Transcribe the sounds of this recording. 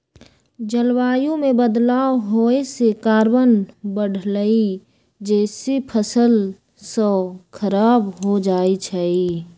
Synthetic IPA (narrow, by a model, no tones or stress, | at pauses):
d͡ʒəlwaːjõmẽbəd̪laːwɦoːesekaːɾwənbəɽ̤ʱləi | d͡ʒɛːsepʰəsəl | sə̃kʰəɾaːbɦod͡ʒaːit͡ʃʰəi